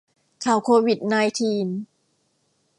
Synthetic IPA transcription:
kʰa˨˩wkʰoː˧wi˨˩t̪̚naː˧jt̪ʰiː˧n

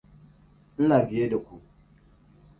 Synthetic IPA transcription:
n̩˦naː˨bɪ˨je˦da˨kʷu˨

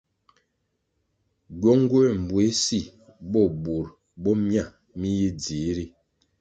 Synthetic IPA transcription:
ɟɔ˦ŋɡo˦ɛ˨m̩˨bwe˦si˦ | bɔ˦˨bu˨ɾ | bɔ˦mja˦˨ | mi˦ji˦d͡zi˨˦ɾi˦

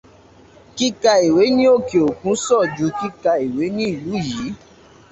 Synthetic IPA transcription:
ki˦ka˧i˨we˨˦nĩ˦o˦˨ke˨o˨kũ˨˦sɔ˦˨d͡ʒu˧˦ki˦ka˧i˨we˨˦nĩ˦i˦˨lu˨˦˨ji˨˦

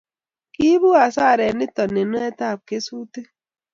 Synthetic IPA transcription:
ki˦bu˦a˨saː˦˨ɾe˨nɪ˦tɔ˨nːe˨nɔ˦e˦ta˦˨p̚ke˦su˦te˦

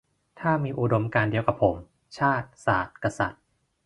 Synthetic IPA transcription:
t̪ʰaː˥˩miː˧ʔu˨do˧mkaː˧ndi˧əwka˨˩pʰːo˩˦m | t͡ɕʰaː˥˩t̪̚saː˨˩t̪̚ka˧sa̰˨˩t̪̚

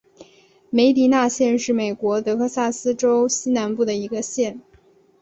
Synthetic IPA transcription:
me˧˥ɪt̪i˧˥na˥˧ɕjɛ˥˧nʂɻ̩˥˩me˨˩ɪkwɔ˧˥t̪ɤ˧˥kʰɤ˥˧sa˥˩sɹ̩˥ʈ͡ʂo˥ʊɕi˥na˧˥npu˥˩d̪ə˩i˧˥ɡə˧ɕjɛ˥˩n

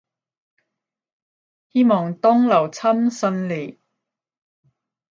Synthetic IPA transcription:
hiː˥mɔː˨˩ŋt̪ɔː˥ŋlɐ˨˩wt͡sʰɐ˥msɵ˧nle˨˩

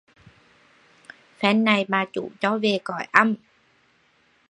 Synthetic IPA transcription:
fɛː˦˥nːa˧jbaː˧t͡ɕṵ˨˩t͡ɕɔ˦˥wweː˧kɔː˨˩jʔa˧˥˨m

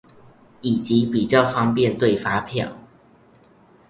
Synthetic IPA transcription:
i˨˩t͡ɕi˨˦pi˨˩t͡ɕjɑ˥˨ʊfɑ˥ŋpjɛ˥˨nt̪we˥˨ɪfa˥pʰjɑ̰˥˩ŋ

